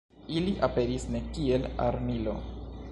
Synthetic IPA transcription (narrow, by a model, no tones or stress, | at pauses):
iliʔape̞ɾisne̞kie̞la̰ɾmilo̞̰